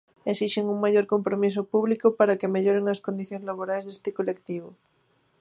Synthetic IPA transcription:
esiʃeŋuŋmaʎoɾkompɾomis̬opuβlikopaɾakemeʎoɾeŋaskond̪iθjõŋzlaβ̞oɾajzðest̪ekolek̚t̪iβ̞o

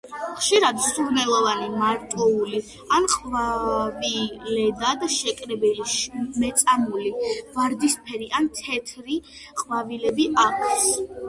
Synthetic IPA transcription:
χʃiɾad̪suɾnɛlˠɔvanimaɾt̪ʼɔuli | anqʼvavilɛd̪ad̪aʃɛkʼɾɛbɛliʃmɛt̪sʼamulivaɾd̪ispʰɛɾiʔant̪ʰɛt̪ʰɾi | qʼvavilɛbiʔakʰs

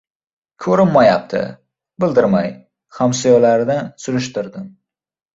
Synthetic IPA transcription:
kʲʰɵɾɪnːajap̚t̪ʰɪ̰ | bɪld̪ɪɾmaj | hamsɪjɒlaɾd̪ansʊɾʊʃt̪ɪɾd̪ɪm

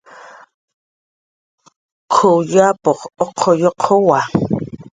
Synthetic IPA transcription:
kʰojapoχoqʰojoqʰowa

